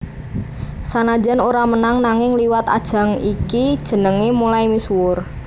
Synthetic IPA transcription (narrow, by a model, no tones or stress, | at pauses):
sanad͡ʒanoɾamənaŋnaŋɪŋliwat̪a̰d̥ʒ̥ä̤ŋikid̥ʒ̥ə̤nəŋemulajmiswʊr